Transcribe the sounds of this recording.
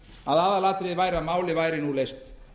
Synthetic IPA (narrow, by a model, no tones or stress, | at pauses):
aðaːðalaːt̪ɾɪðvajɾamaːwlɪvajɾɪnulejst̪